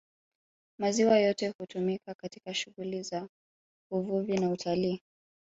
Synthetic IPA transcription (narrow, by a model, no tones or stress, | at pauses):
maziwajɔtɛhutumikakatikaʃuɣuliza | uvuvinautʰaliː